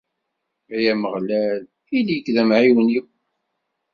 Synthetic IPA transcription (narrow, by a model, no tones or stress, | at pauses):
æjæməʁlæl | iljəkːðæmʕiwənjiw